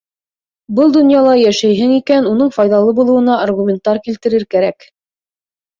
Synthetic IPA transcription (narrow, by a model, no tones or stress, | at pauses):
bɤlˠd̪ŏnjɑlˠɑjæʃæjɦɘŋikænunɤɴfɑjðɑlˠɤbulˠɤ̆wɤ̆nɑːrɣumʲent̪ːɑɾkilt̪ɘ̆ɾɘɾkæɾæk